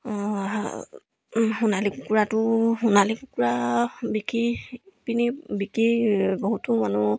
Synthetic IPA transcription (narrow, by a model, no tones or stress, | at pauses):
xunalikukuɹatʊxunalikukuɹabikʰipinibikibɔɦutʊmanʊ